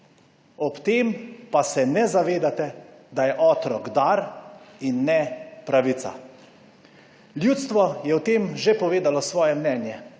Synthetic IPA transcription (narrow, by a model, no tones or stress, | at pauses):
ɔpt̪eːmpasɛnɛzaʋeːd̪at̪ɛd̪ajɛʔɔːt̪ɾɔɡd̪aɾinːɛpɾaʋit̪sa̰ | ljuːt̪st̪ʋɔjɛwt̪eːmʒepɔʋeːd̪alɔsʋɔːjɛmnɛːnjɛ